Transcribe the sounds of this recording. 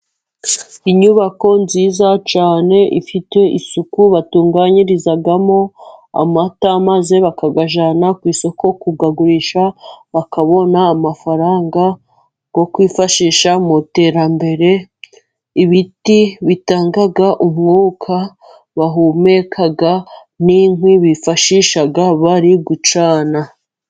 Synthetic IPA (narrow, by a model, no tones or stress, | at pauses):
iɲuβako̞nziːzat͡ʃaːne̞ʔḭfite̞ʔisukuβatuːŋɡaɲiɾizaɡamo̞a̰mataːmaze̞βakaɡaʒanakwiːso̞ko̞kuɡaɡuɾiʃaβakaβo̞naːmafaɾaːŋɡa | ɡ̥o̞kwiːfaʃiːʃamute̞ːɾambe̞ɾe̞ | iβitiβitaːŋɡaɡaʔumŋuːkʰa | βaɦumekʰaɡa | niŋwiβifaʃiʃaɡaβaɾiɡut͡ʃaːna